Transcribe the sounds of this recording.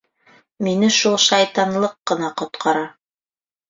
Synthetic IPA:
minɘʃulˠʃɑjt̪ɑnlˠɤqːɤ̆nɑqŏt̪qʰɑɾɑ

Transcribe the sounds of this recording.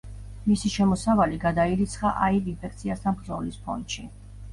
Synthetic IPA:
misiʃɛmɔsavaliɡad̪aiɾit̪sʰχaʔaivinpʰɛkʰt̪sʰiast̪ʰanbɾd̪zɔlispʰɔ̰nt̪ʃi

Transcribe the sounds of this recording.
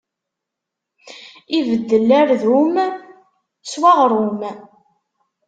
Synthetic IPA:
ivəd̪ːəlːæɾðum | swaʁɾˤum

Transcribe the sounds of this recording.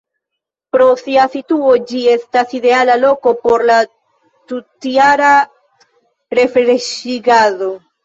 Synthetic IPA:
pɾo̞siasituo̞d͡ʒie̞staside̞alalo̞ko̞po̞ɾla | tutiaɾa | ɾe̞fɾeʃiɡaðo̞

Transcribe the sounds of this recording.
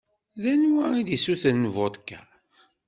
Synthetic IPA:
ðænwæid̪isuθənːəvot̪ˤkːæ̰

